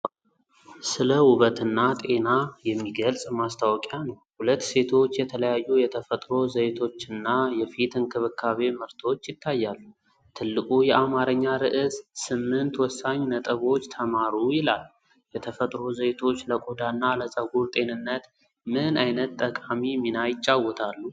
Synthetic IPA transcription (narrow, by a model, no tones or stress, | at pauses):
sɨləwʊβət̪ɨnːat̪ʼe̞najɛmːiɡəlsʼmast̪ʰawɔkʼanəwhulət̪ːse̞t̪ʰo̞t͡ʃːjɛt̪ʰələjajːujɛt̪ʰəfət̪ʼɾo̞zəjt̪ʰo̞t͡ʃːɨnːajɛfit̪ʰɨnkʰɨβɨkʰːaβe̞mɨɾt̪ʰo̞t͡ʃːjɪt̪ʰːajːalːu | t̪ʰɨlːɨkʼujɛʔamaɾəɲːaɾɨʔɨzsɨmːɨnt̪wɔsːaɲːnət̪ʼəβo̞t͡ʃːt̪ʰəmaɾujɪlalː | jɛt̪ʰəfət̪ʼɾozəjt̪ʰo̞t͡ʃːləkʼod̪anːaləsʼəɡuɾt̪ʼe̞nɨnːət̪ | mɨnajnət̪ʼːəkʼamimːinajɪt͡ʃʼːawɔt̪ʰalːu